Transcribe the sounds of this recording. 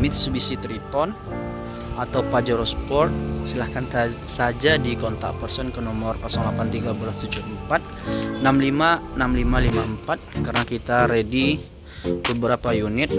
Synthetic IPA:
mɪt̪̚subisit̪əɾit̪ɔn | at̪awpad͡ʒɔɾɔspɔrt̪̚səlahkan | sad͡ʒadikɔnt̪a̰k̚pərsɔnkənɔmɔrpasɔŋlapant̪iɡabəlast̪ud͡ʒuəmpat̪̚namlimanamlimalimaəmpat̪̚karənakit̪aɾedi | bəbəɾapajunɪt̪̚

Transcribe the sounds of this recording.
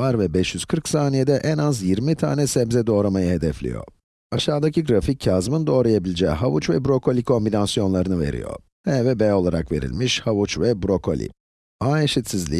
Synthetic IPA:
vaɾvɛbɛʃjyz̥kʰɯɾksaːnijed̪ɛʔɛnazjiɾmit̪ʰa̰ːnɛsɛbzɛd̪o̞ːɾamajɯhe̞d̪ɛflʲḭjo̞̰ | aʃaːd̪acʰiɡɾaficʰːazmɯnd̪o̞ːɾajabilʲid͡ʒɛ̰ːɦavut͡ʃvɛbɾo̞kʰo̞lʲikʰo̞mbinasijo̞nlˠaɾɯnɯve̞̰ɾḭjo̞̰ | hɛːvɛbɛːo̞lˠaɾa̰kve̞̰ɾḭlʲmiʃhavut͡ʃvɛbɾo̞kʰo̞̰lʲḭ | aeʃit̪sizlʲḭ

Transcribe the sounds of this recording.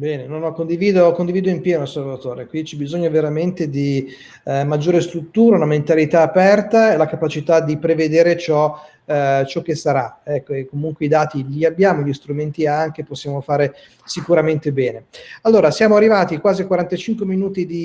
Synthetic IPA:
bɛːnenonɔkːond̪iviːd̪okond̪iviːd̪oimpjɛːnoservat̪oːɾekwit͡ʃɛbizoɲːaveɾament̪ed̪i | mad͡ʒːoːɾest̪ɾut̪ːuːɾaunament̪alit̪aːpɛrt̪aelakapat͡ʃit̪ad̪ipɾeved̪eːɾet͡ʃɔ | t͡ʃɔkːesːaɾaɛkːoekːomuŋkweid̪aːt̪iʎiabːjaːmoʎist̪ɾument̪iaŋk̟eposːjaːmofaːɾe | sikuɾament̪ebɛːnealːoːɾasjaːmoarːivaːt̪ikwaːzikwaɾant̪at͡ʃiŋkweminuːt̪id̪i

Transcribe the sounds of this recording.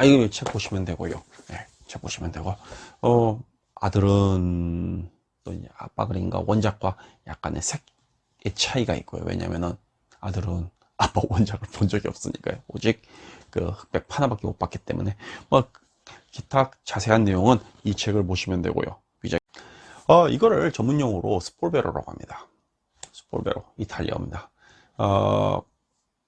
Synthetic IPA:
aiɡeet͡ɕʰekk̚p͈oɕʰimjʌndwe̞ɡo̰jo̰je̞ | t͡ɕʰek̚p͈oɕʰimjʌndwe̞ɡoʌ | adɯɾɯn | t͈oia̰p͈a̰ɡɯɾinɡa̰wʌnd͡ʑak̚k͈wajak̚k͈anʔesʰe̞k̚ | et͡ɕʰaiɡaḭt̚k̚k͈ojo̰we̞̰ɲa̰mjʌ̰nɯn | adɯɾɯn | ap͈awʌnd͡ʑaɡɯɭpond͡ʑʌɡiʌk̚s͈ɯ̰ɲik͈a̰jood͡ʑik̚kːɯ̰ɯ̥k̚p͈e̞k̚pʰanabak͈imop͈ak͈i̥t͈e̞mune̞mʌ | kitʰak̚t͡ɕasʰe̞ɦanːe̞joŋɯn | it͡ɕʰe̞ɡɯɭpoɕʰimjʌndwe̞̰ɡo̰jo̰ | ɥid͡ʑa | ʌiɡʌɾɯɭt͡ɕʌmːunjʌŋɯɾosʰɯ̥pʰoɭbe̞ɾoɾa̰ɡoɦa̰mɲida | sʰɯ̥pʰo̰ɭbe̞̰ɾoitaʎːḭʌ̰mɲida | ʌ̰

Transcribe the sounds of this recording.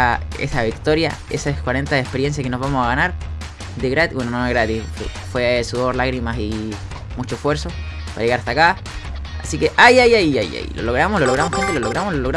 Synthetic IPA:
aḛsaβikt̪o̞ɾja̰esaeskwaɾe̞nt̪aðespeɾje̞ns̬jakenozβamosaɣanaɾ | d̪eɣɾat̪iwenonoeɣɾat̪is | fwesuðo̞ɾlaɣɾimasi | mut͡ʃosfwe̞ɾso̞ | paaʝeɣaɾast̪aka | asikeʔajajajaja̰jiloloɣɾamoslo̞loɣɾamosent̪eloloɣɾamosloloɣɾa

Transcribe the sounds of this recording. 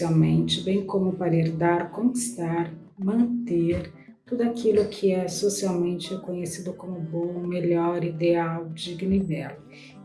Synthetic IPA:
iawmẽnt͡ʃɪbẽj̃kõmʊpaɾɐeɾd̪aɾkõki̥st̪aɾ | mɐ̃nt̪eɾ | t̪ud̪ʊakilʊkʰɪɛsosiawmẽnt͡ʃɪekõɲesid̪ʊkõmʊbõw̃ʊmeʎɔɾid̪eawd͡ʒiɡinibɛ̰l

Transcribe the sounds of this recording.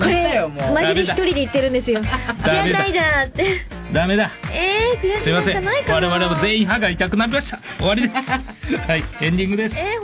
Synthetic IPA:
omazid̪ç̪it̪o̞ɾʲid̪e̞it̪ːeɾɯ̃nd̪e̞sɨjo̞d̪amed̪aaid̪at̪ːe | d̪ame̞d̪aekɯasɨimasẽanaikβaɾe̞βaɾe̞maze̞ːĩɰ̃ɦaɡait̪akɯ̟naɾʲimaɕi̥t̪ao̞βaɾʲid̪ess | haiẽ̞ɲd̪ʲĩŋɡɯ̟d̪e̞s

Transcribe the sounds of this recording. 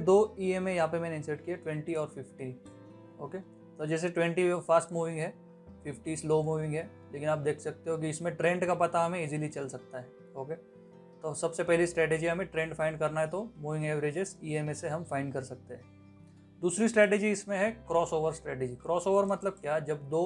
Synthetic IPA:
d̪oːiːeːmẽjɐɦãːp̬emɛ̃ːneɪnseʈ̚kiaɛʈwɛ̃ɳʈiɔːɾfɪfʈi | oːkeː | t̪od͡ʒɛːs̬eʈwɛ̃ɳʈifaːsʈmuːʋɪ̃ŋɡɦɛː | fɪfʈisloːmuːʋɪ̃ŋɡɦɛː | leːkɪnaːp̚d̪eːkʰsɐk̚t̪eɦõk̬iɪsmẽʈɾẽːɳɖkapɐt̪aɦɐmẽɪzilit͡ʃɐlsɐk̚t̪aɦɛː | oːkeː | t̪oːsɐbsepɛɦlisʈɾɛːʈ̬eːd͡ʒiɐmẽʈɾẽːɳɖfʰãːɪ̃ɳɖkɐɾnaɦɛt̪omuːʋɪ̃ŋɡeːʋɾeːd͡ʒesiːeːmeseɦɐmfãːɪ̃ɳɖkɐɾsɐk̚t̪eɦɛ̃ː | d̪uːsɾisʈɾɛːʈ̬ed͡ʒiɪsmẽɦɛkɾɔːsoːʋəɾsʈɾɛːʈed͡ʒikɾɔːsoːʋəɾmɐt̪ləb̚kjaːd͡ʒɐbd̪oː

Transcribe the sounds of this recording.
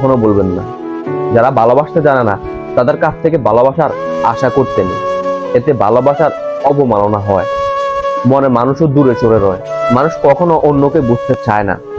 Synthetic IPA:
onobolbenːa̰ | d͡ʑaɾabalobaʃt̪ed͡ʑanena̰ | t̪ad̪eɾkat͡ɕʰt̪ʰekebʱalobaʃaɾa̰ʃakoɾt̪enḭet̪ebʱa̰lobaʃaɾɔpomanonaɦɔe | monemanuʃod̪uɾet͡ɕoɾeɾɔemanuʃkɔkʰonoʔonːokebud͡ʑʱt̪et͡ɕaena̰

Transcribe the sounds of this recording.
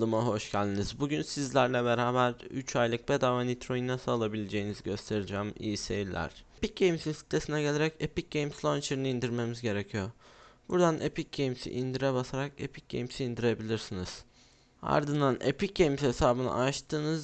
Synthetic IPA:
ɯmaɦo̞ʃɟælʲd̪inizbuɟynsizlʲæɾlʲɛbe̞ɾaːbæɾyt͡ʃʰajlˠɯk̚bed̪aːvanit̪ʰɾo̞jinːasɯlalˠabilʲed͡ʒe̞jinizɟø̞st̪ʰe̞ɾid͡ʒæmḭjisejilʲæ̰ɾ̥ | pic̚ɟejmsinsi̥t̪ʰːe̞sinɛɟe̞lʲeɾɛcepic̚ɟejmslʲont͡ʃʰiɾniːnd̪iɾme̞mizɟe̞ɾecʰijo̞ɾbuɾd̪anʔepic̚ɟejmsḭʔind̪iɾɛbasaɾakḛpʰic̚ɟḛjmsiːnd̪iɾe̞bilʲiɾsiniz̥ | a̰ɾd̪ɯnd̪anʔḛpic̚ɟejmshe̞saːbɯna̰ʔaʃt̪ʰɯːnɯz

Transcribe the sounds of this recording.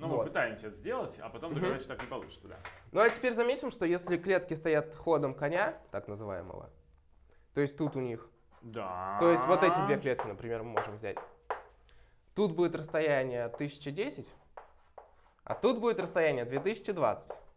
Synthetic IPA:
nuvmvɨotpɨt̪ajɪmsʲəɛt̪əzʲdʲelˠətʲɐ̰pɐt̪omd̪əvat͡ɕt̪aknʲɪpɐlˠṵt͡ɕɪ̥səd̪a̰nuɐtʲɪ̥pʲeɾʲzɐmʲetʲɪmʂt̪ojesʲlʲɪklʲe̞t̪kʲɪst̪ɐjat̪xo̞d̪əmkɐnʲat̪aknəzɨva̰jɪ̰mə̰və̰ | t̪o̞jɪsʲt̚ʲt̪ut̪ʊnʲix | d̪at̪o̞ɪsʲtʲvo̞t̪ɛtʲɪd̪vʲeklʲet̪kʲɪnəpɾʲɪmʲe̞rmɨmo̞̰ʐɨmvzʲæ̰tʲ | t̪ut̪̚budʲɪt̪ɾəst̪ɐjænʲɪjət̪ɨsʲɪ̥t͡ɕɪdʲesʲɪtʲ | ɐ̰t̪ut̪̚budʲɪt̪ɾəst̪ɐjænʲɪjəd̪vʲet̪ɨsʲɪ̥t͡ɕɪd̪va̰t̪sɨ̥tʲ

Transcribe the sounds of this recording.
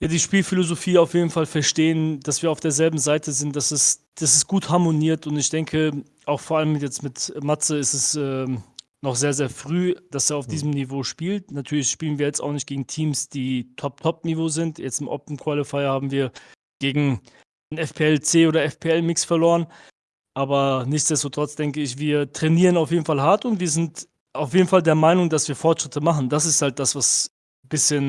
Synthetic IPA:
jaːdiːʃpiːlfilozofiːaʊfjeːdn̩falfɛɐʃteːənd̥asv̥iːɐaʊfd̥eːɐzɛlbm̩zaɪtʰəzɪnt̚d̥asɛs | d̥asɪstɡ̥uːthaɐmoniːɐtʰʊntɪçd̥ɛŋkʰə | ʔaʊxfoːɐʔaləmjɛt͡stmɪtmat͡səɪstɛsʔɛː | nɔχz̥eːɐzeːɐfʁ̥yːd̥aseːɐaʊfd̥iːzəm̩nivoːʃpiːlt̚natʰyːɐlɪçʃpiːlənviːɐjɛt͡staʊxnɪçt̚ɡ̥eːɡŋ̩tʰiːmsd̥iːtʰɔp̚tʰɔp̚nivoːzɪntjɛt͡stɪmʔɔ̰pm̩kʰw̥alifaɪɐhaːbm̩viːɐ | ɡ̥eːɡŋ̩ | denɛfpʰeːɛlt͡seːoːɾɐɛfpʰeɛlmɪksfɛɐloːʁən | ʔaːbɐnɪçtt͡sd̥ɛstotʁ̥ɔt͡sd̥ɛŋkəɪçv̥iːɐtʁ̥ɛniːʁ̞ənaʊfjeːdn̩falɦaɐtʊntv̥iːɐzɪnt | ʔaʊfjeːdn̩faldeːɐmaɪnʊŋdasv̥iːɐfɔɐtʃʁ̥ɪtəmaχn̩das̬ɪsthalt̚d̥asv̥as | b̥ɪsçən

